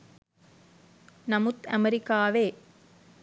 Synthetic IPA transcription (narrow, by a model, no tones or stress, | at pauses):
nɐmʊt̪ɐmɛɾɪkːaːʋeː